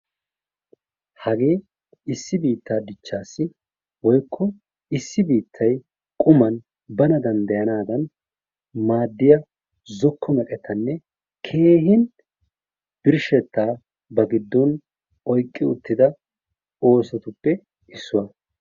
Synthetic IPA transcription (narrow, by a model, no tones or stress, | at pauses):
hɐɡe̞ː | ɪsːɪbiːt̪ːaːd̪ɪt͡ʃːaːsːɪ | wɔjkʰːɔ | ɪsːɪbiːt̪ʰːɐj | kʼʊmɐn | bɐnɐd̪ɐnd̪ɐjɐnaːd̪ɐn | maːd̪ːɪjɐ | zɔkʰːɔmɛkʼɛt̪ʰːɐnːɛ | kʰe̞ːɦɪn | b̥ɪɾʃɛt̪ːaː | bɐɡɪd̪ːɔn | ɔjkʼːɪʊ̰t̪ːɪd̪ɐ | o̞ːsɛt̪ʊpːɛ | ʔɪsːʊwɐ